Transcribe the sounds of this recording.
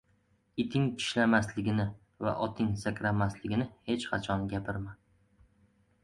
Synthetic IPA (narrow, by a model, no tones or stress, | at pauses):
ɪt̪ʰɪŋʰɪ̥ʃlamaslɪɡʲɪnɪ | va̰ʔɒt̪ʰɪŋsakʲɾamaslɪɡʲɪnɪhe̞t͡ʃqʰɑt͡ʃʰɒnɡʲapʰɪɾma